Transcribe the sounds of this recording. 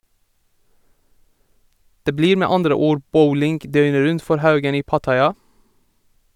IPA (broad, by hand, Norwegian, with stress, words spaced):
ˈdeː ˈbliːɾ ˈmeː ˈɑndɾə ˈuːɾ ˈbəʊlɪŋɡ ˈdœʏnə ˈɾʉnt ˈfɔɾ ˈhɑʉɡən ˈiː ˈpɑtɑɪˌɑː